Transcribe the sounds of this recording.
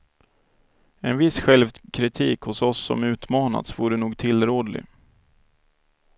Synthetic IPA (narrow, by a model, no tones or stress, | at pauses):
ɛnvɪsɧɛlvkʰɾɪt̪ʰiːkhʊsɔsːɔ̰mʉ̟ːt̪mɑːna̰t̪svuːɾənuːɡt̪ʰɪlːɾoːd̪lɪ̰